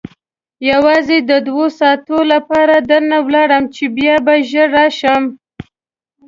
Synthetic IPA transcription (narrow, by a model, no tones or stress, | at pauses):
jawɑzed̪əd̪wosɑt̪olapɑɾad̪əɾnawlɑɽəmt͡ʃebjɑbaʒəɾɑʃəm